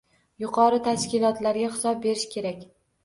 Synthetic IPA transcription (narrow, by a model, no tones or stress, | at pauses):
jʊqʰɒɾɪt̪ʰaʃkʲɪlˠɒt̪laɾɡʲaχɪsɒb̚be̞ɾɪʃkʲʰe̞ɾakʲ